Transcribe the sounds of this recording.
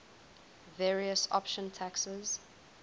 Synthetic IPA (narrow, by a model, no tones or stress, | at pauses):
vɛːɹiəsɔ̰pʃə̃ntʰaksəz̥